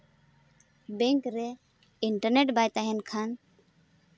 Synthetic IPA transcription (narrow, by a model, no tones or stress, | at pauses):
beŋkɾe | iɳʈəɾneʈbajt̪aɦenkʰan